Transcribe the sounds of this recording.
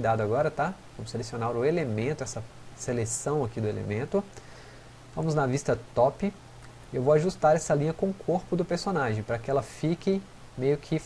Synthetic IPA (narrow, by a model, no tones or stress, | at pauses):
d̪ad̪ʊaɡɔɾɐt̪avɐ̃mʊselesionaɾʊelemẽnt̪ʊɛsɐ | selesɐ̃w̃ɐkid̪ʊelḛmẽnt̪ʊ | vɐ̃mʊznɐvist̪ɐt̪ɔpɪ | ɪewvowaʒust̪aɾɛsɐlĩɲɐkõʊkʰoɾpʊd̪ʊpeɾsonaʒẽj̃pɾɐkɪɛlɐfikɪ | mejʊkʰɪ